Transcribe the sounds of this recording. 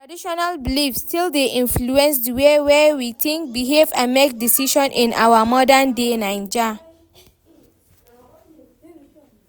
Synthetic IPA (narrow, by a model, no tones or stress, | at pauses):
tadiʃɔnalbilifstildeʔĩnfluɛ̃ns̬dəwewɛwiθĩŋk̚biɦevãnmek̚disiʃɔ̃nʔĩnʔa̰wamɔdandenãɪ̃nd͡ʒa